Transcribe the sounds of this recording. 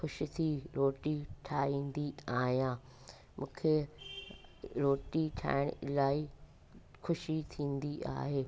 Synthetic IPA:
xʊʃĭt̪ʰiɾoːʈiʈʰaːĩːnd̪iaːɦijãː | mʔũːkʰe | ɾoːʈiʈʰa̰ːɪɽ̃ɪlaːi | xʊʃit̪ʰĩːnd̪ia̰ːɦeː

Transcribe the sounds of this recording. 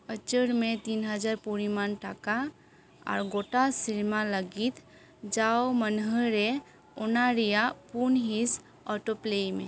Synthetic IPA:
ət͡ʃəɾmet̪inɦəd͡ʒaɾpuɾimanʈaka̰ː | ɾɡoʈasiɾmaləɡit̪ | d͡ʒawmənɦəɾe | ɔnaɾijapunɦis | ɔʈoplejmḛ

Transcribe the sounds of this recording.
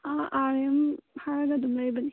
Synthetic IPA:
aʔaɾemhaɾɐɡɐdumlajbɐni

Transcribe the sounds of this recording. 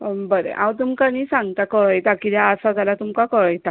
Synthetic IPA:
bəɾḛʔãwt̪̬umkañiːsãŋɡt̪akəɭəjt̪akid̪jaəsad͡zalat̪umkakəɭəjt̪a

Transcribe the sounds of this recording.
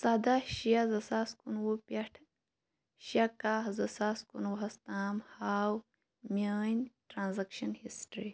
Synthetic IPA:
saːd̪aʃijazɐsaːskunwupʲɐʈʰ | ʃakazɐsaːskunwuɦɐst̪aːmhaːw | mʲaːnʲʈɾaːnzɐkʃɐnhḭsʈɾi

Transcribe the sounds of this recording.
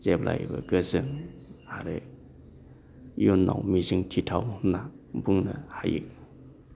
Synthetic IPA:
zeplʔa̰jbɐɡɯzɯŋhaɾe | junːa̰wmiziŋtʰitʰawna | buŋnɐhajɯk̚

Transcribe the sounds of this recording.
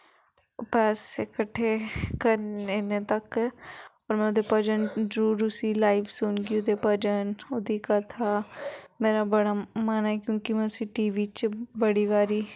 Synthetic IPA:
opɛːsekəʈʰːeːkəɾenet̪ək | ɔːɾmɛ̃ːʊd̪epəd͡ʒənd͡ʒɾuːɾʊsilaːɪʋsʊnɡiʊd̪eːpəd͡ʒənʊd̪iːkat̪ʰaːmeːɾabəɽaːmaːnaɛkjõːkimɛ̃ːʊsiʈiːʋiːt͡ʃbəɽiʋaːɾiː

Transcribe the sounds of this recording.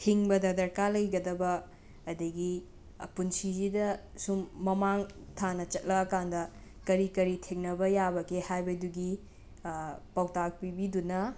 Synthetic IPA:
tʰiŋbɐdɐdɐɾkalɐjɡɐdɐbɐː | dɐɡi | punsid͡ʒidɐ | sumːɐmaŋtʰanɐt͡ʃɐt̚lɐɐkandɐ | kɐɾikɐɾitʰeŋnɐbɐjabɐkʰehajbɐduɡi | pawtak̚pibidunɐ

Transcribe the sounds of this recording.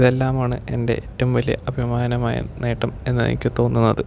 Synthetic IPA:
iðelːaːmaːɳɨe̞nde̞̰ʔetːɐmʋɐlijɐ̰ʔɐbʱimaːnɐmaːjɐ̰ne̞ːʈːɐme̞̰nːɨḛŋḭkʲːɨt̪o̞ːnːunːɐðɨ

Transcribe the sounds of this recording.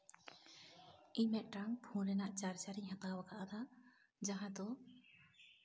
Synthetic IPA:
iɲmɛʔ̪̚ˀʈaŋpʰũɾɛnaʔt͡ʃaɾt͡ʃaɾiɲhãt̪awakaʔad̪aʔ | d͡ʒaɦãd̪ɔ

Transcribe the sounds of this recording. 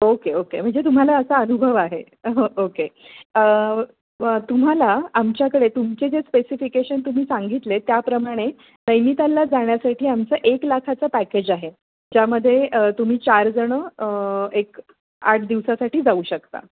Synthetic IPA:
okeokem̤əɳd͡zet̪̬um̤alaəsaənubʱəʋaɦe | ɦəʔokeə | t̪um̤alaːmt͡ɕjakəɽet̪umt͡sed͡zespesifikeɕənt̪um̤iːsãŋɡit̪let̪japɾəmaɽ̃e | nəjmit̪alːad͡zaɳjasaʈʰiːamt͡səʔeklakʰat͡səpæked͡ʑaɦe | d͡ʑaməd̪ʱːjeʔət̪um̤iːt͡ɕaɾd͡zəɽ̃ə | ek | aʈʰd̪iʋsasaʈiːd͡zauːɕəkt̪a̰

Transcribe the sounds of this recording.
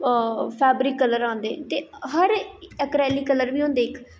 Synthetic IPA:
pʰɛːbɾiːkːələɾãːnd̪ḛːt̪eːɦəɾəkɾɛːliːkələɾʋiːõːnd̪eːɪkʰ

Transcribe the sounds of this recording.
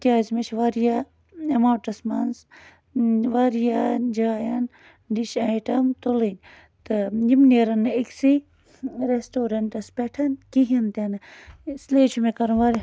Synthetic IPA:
kʲaːzmet͡ʃʰʋaɾija | emaːʈɐsmanz | ʋaɾijad͡ʒaːjɐn | ɖiʃajʈɐmt̪olinʲ | t̪ɨjimneɾɐnːɨiksi | ɾesʈoːɾɐɳʈɐspeʈʰɐnkiɦint̪enɨsleːt͡ʃʰumekɐɾɐnʋaɾʲ

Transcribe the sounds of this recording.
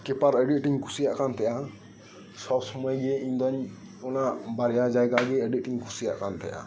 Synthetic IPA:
kɛpaɾɛɖiʈiŋkʰusijaʔkant̪ʰɛja | sɔsməjɡɛĩnd̪ɔɲ | ɔnabaɾjad͡ʒajɡaɡɛəɖiʈɪŋkʰusija̰ʔkant̪ʰɛ̰ja̰

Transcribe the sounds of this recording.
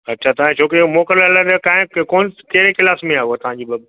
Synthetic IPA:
ɐtːɕʰat̪ɐʋãt͡ɕʰoːkeumoːkəɾəlɐlaɾkãːɦɪ̃koːnkeɾekɪlaːfmẽaːɦoat̪ɐʋ̤ãɲd͡ʑiːbɐb

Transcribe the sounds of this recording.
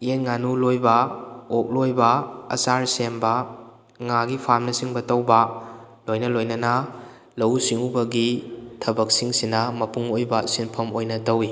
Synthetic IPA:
enŋanulojbɐok̚lojbɐɐ̰saɾsembɐ | ŋaɡipʰamnɐsiŋbɐtɐwbɐ | lojnɐlojnɐnɐ | lɐwsiŋubɐɡitʰɐbɐk̚siŋsinɐmɐpuŋojbɐsinpʰɐmojnɐtɐwi

